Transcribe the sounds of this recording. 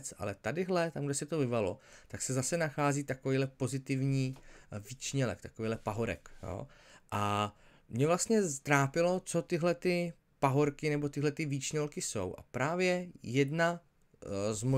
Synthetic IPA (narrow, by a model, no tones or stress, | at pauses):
t͡sʔa̰lɛt̪adɪɦlɛt̪amɡdɛsɪt̪ovɪvalo̞̰t̪aksɛzasɛnaxaːziːt̪akoviːɦlɛpo̞zɪt̪ɪvɲiːviːt͡ʃɲɛlɛ̰kt̪ḁkoviːlɛpaɦoɾɛ̰kjo̰ːʔa | mɲɛvlast̪ɲɛst̪ɾaːpɪlo̞t͡so̞t̪ɪɦlɛt̪ɪ | paɦoɾkɪnɛbo̞t̪ɪɦlɛt̪ɪviːt͡ʃɲɛlkɪso̞̰wʔa̰pɾaːvjɛjɛdna | zmo